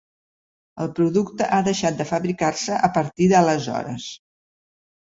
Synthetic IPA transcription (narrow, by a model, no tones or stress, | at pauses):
əlˠpɾuðukt̪əʔaðəʃat̪̚d̪əfəβɾikarsəʔəpəɾt̪iðələzɔ̰ɾə̰s